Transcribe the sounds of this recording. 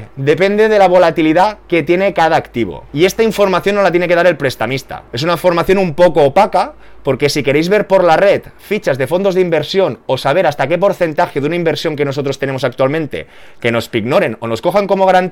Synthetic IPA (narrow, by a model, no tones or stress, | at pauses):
d̪e̞pe̞nd̪e̞ðe̞laβ̞o̞lat̪iliðake̞t̪je̞ne̞kað̞aːkt̪iβ̞o̞̰ie̞st̪aiɱfo̞ɾmaθjo̞nːolat̪jeneke̞ð̞aɾe̞lpɾe̞st̪amist̪a̰e̞s̬unaifo̞ɾmaθjo̞numpo̞koːpaka | po̞ɾke̞sike̞ɾejzβe̞ɾpo̞ɾlare̞t̪fit͡ʃazðe̞fo̞nd̪o̞zðimbe̞ɾsjo̞no̞saβ̞e̞ɾast̪ake̞po̞ɾθe̞nt̪axeðunaimbe̞ɾsjo̞ŋke̞noso̞t̪ɾo̞st̪e̞ne̞mosak̚t̪ualmẽ̞nt̪e̞̰ | ke̞no̞spiɡno̞ɾe̞no̞no̞sko̞xaŋko̞moɣaɾant̪